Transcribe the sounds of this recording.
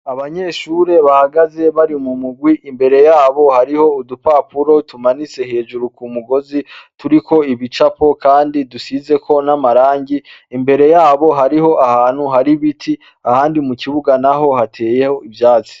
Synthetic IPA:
aβaɲe̞ːʃuːɾe̞βahaɡaze̞βaɾimumuɡwiʔimbe̞ɾe̞jaːβo̞haɾiho̞udupapuɾo̞tumanise̞he̞ːd͡ʒuɾukumuɡo̞zituɾiko̞iβit͡ʃapo̞kaːndidusize̞kʰo̞namaɾaːɲɟiimbe̞ɾe̞jaːβo̞ɦaɾiho̞ʔahaːn̥huɦaɾiβitʰi | ahaːndimukiβuɡanaɦo̞hatʰe̞ːje̞ho̞ivjaːt͡si̥

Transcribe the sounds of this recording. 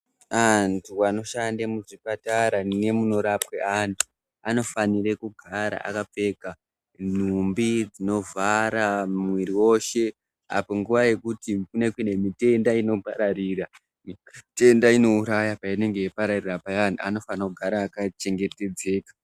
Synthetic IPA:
antʰuano̞ʃandamuʐipataɾane̞muno̞ɾapweʔantʰu̥ | ano̞faniɾe̞kuɡʱaɾa̰ʔa̰kap͡fe̞ka | n̤umbid͡zino̞vʱaɾamwiɾiwo̞ʃe̞ | a̰po̞ŋɡuʋaje̞kutikune̞kwine̞mite̞ndaino̞paɾaɾira | te̞ndaino̞uɾajapaine̞ŋɡe̞jipaɾarirapaantuano̞fanakuɡʱaɾaːkat͡ʃe̞ŋɡe̞te̞d͡ze̞ːkḁ

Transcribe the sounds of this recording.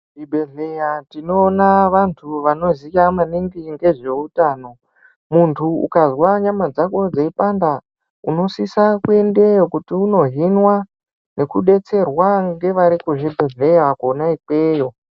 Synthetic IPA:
ʐibʱeɮejatino̞ːnaʋantʰuʋano̞zikamaniŋɡiŋɡe̞ʐe̞utaːno̞ | muntʰuṵkazwaɲamad͡zako̞d͡zaipanda | uno̞sisakue̞nde̞jokutiuno̞ɦinwa | ne̞kuɗe̞t͡se̞rwaŋɡe̞ʋaɾikuʐibʱe̞ɮejakonaikeːjo̞

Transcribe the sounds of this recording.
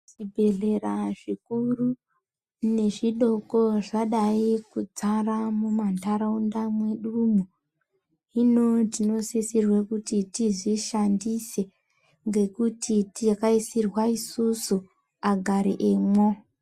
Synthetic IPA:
ibʱe̞ɮe̞raʐikuru | ne̞ʐiɗo̞ko̞ʐaɗaikud͡zaramumandaɾaundamwe̞ɗumu | ino̞tino̞sisirwekutitiʐiʃandise̞ | ŋɡe̞kutʰitikaisirwaisusu | aɡʱaɾḭʔeːmwo

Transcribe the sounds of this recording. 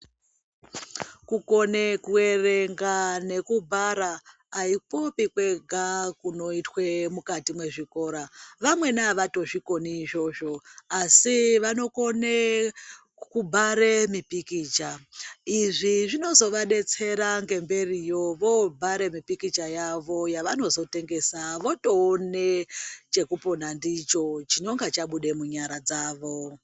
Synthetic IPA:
kuko̞nekue̞reŋɡane̞kubʱaɾaː | ipo̞pikwe̞ɡʱakuno̞itwe̞mukatimwe̞ʐiko̞ːɾaʋamwe̞naʋato̞ʐiko̞niʒo̞ʒo̞asiʋano̞ko̞ne | kubʱaɾe̞mipikiːt͡ʃaiʐiʐino̞zo̞ʋaɗe̞t͡se̞ɾaŋɡe̞mbe̞rijo̞ʋo̞bʱaɾe̞mipikit͡ʃajaʋo̞jaʋano̞zo̞te̞ŋɡe̞saʋo̞to̞ːnet͡ʃe̞kuponandit͡ʃo̞t͡ʃino̞ŋɡat͡ʃaɓuɗe̞muɲaɾad͡zaːʋo̞

